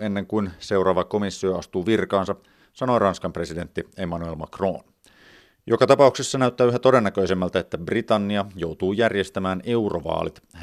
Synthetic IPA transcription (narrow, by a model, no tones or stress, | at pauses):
enːeŋkuinse̞urɑːʋɑkomisːioɑst̪uːʋirkɑːnsɑ | sɑno̞jrɑnskɑmpre̞side̞nt̪ːiemɑnuelmɑkro̞̰ːn | jokɑt̪ɑpɑuksesːɑnæyt̪ːæːyɦæt̪o̞denːækøisemːælt̪æet̪ːæbrit̪ɑnːiɑjout̪uːjærjest̪æmæːne̞uroʋɑ̰ːlit̪h